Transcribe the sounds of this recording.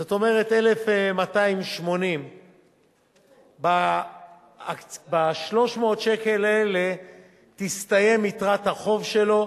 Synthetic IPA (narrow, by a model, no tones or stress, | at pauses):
zot̪o̞me̞ʁe̞t̪elefemataimʃmo̞nim | ba | baʃlo̞ʃmo̞ːt̪ʃe̞ke̞laele̞ | t̪ist̪aje̞mitʁat̪haχo̞vʃe̞lo̞